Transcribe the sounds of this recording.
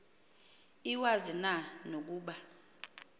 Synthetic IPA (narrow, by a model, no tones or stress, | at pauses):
iwazinanok̬uːɓa